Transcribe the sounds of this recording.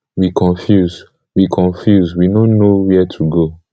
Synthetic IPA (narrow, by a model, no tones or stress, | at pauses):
wikʰɔ̃nfjuz | wikʰɔ̃ɱfjuzwinonowɛtʰuɡo